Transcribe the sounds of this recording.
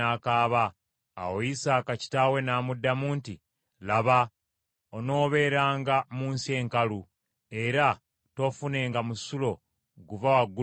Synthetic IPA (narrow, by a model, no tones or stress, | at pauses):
aːkaːβa̰ː | woisaːkaci̥tawe̞naːmudːamuːnti | laβa | ono̞ːβe̞ːɾaːŋɡamuːnsie̞ːŋkalu | e̞ɾa | to̞fune̞ːŋɡamusulo̞ | ɡuvawaɡu